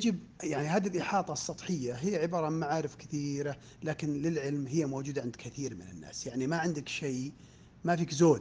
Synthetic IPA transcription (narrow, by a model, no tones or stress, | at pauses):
jad͡ʒɪbjaʕnihaːd̪ɪlʔɪħɑːt̪ˤɑsˤːɑt̪ˤħɪjːaɦɪjːaʕɪbɑːɾˤɑmaʕaːɾɪfkɪθiːɾa | laːkɪnlɪlʕɪlmɦɪjːamoːd͡ʒuːd̪aʕɪnd̪kʰɪθiːɾmɪnɪ̰nːa̰ːsjaʕnimaʕɪnd̪ɪkʃeː | mafiːkzoːd̪